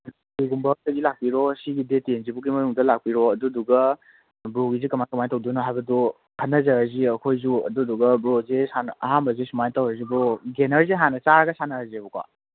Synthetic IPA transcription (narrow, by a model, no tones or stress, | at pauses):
iɡumbɐk̚tɐɡilak̚piɾɔsiɡidetenzibuɡimɐnuŋdɐlak̚piɾɔɐduduɡɐ | bɾoɡizikɐmajkɐmajtɐwdunaɦajbɐdu | kʰɐnːɐzɐaziɐkʰojzuɐ̰duduɡɐbɾozesanɐɦambɐzesumajtɐwɐɾziboɡenɐɾzeɦanɐt͡ʃaɾɐɡɐsanɐazeɐbukwa̰